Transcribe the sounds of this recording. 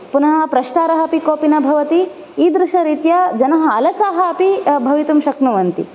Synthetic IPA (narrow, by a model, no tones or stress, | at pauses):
punɐɦɐpɾɐʂʈaːɾɐɦɐpikoːpinɐbʱɐʋɐt̪i | iːd̪ɾuʃɐɾit̪jɐd͡ʒɐnɐɦɐ̆ɐlɐsaːɦɐɐpibʱɐʋit̪umʃɐknuʋɐnt̪ḭ